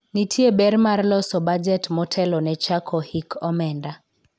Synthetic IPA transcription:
nitʰiebɛɾmarlɔsɔbad͡ʒɛtmɔtʰɛlɔnɛt͡ʃakʰɔhikʰɔmɛnda

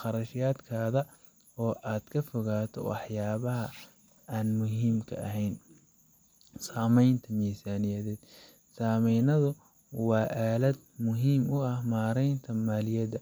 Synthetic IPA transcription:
qɑɾɐʃjaːd̪kʰaːðɐ | ɔːʔaːd̪kʰɐfɔɣaːt̪ʰɔ̰wɑ̰ħjaːβɐɦɐ | aːnmʊɦiːmkʰɐ̰ʔɐ̰ɦɛjn | saːmɛjnt̪ʰɐmiːsaːnɪjɐðɛːd̪ | saːmɛjnɐðʊ | wɑːʔaːlɐd̪̚mʊɦiːmʊɐhmaːɾɛjnt̪ʰɐmaːlɪjɐd̪ɐ

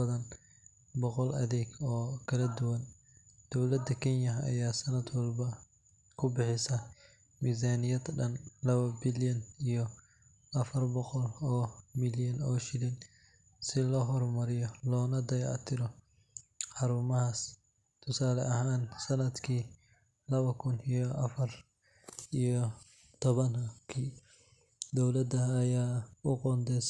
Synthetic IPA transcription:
ɐðɐn | bɔqɔlɐ̰ðɛːɡɔːkʰɐlɐd̪ʊwɐn | d̪̥ɔwlɐd̪ɐkʰɛnjɐɦɐ̰jaːsɐnɐd̪wɑlbɐ | kʰʊbɪħɪsɐ | miːzaːnɪjɐd̪ɖɐnlɐβɐbɪljɐnijɔ | ɐfɐrbɔqɔlɔːmɪljɐnɔːʃɪlɪn | sɪlɔɦɔrmɐɾɪjɔlɔːnɐd̪ɐjʕ̰t̪ʰɪɾɔ | ħɑɾumɐhaːs | t̪ʰʊsaːlɛ̰ʔɐɦaːnsɐnɐd̪kʰiː | lɐβɐkʰʊnijɔʔɐfɐr | ʔijɔ | t̪ʰɔβɐnkʰiː | d̪ɔwlɐd̪ɐːjaːʊqɔːnd̪ɛs

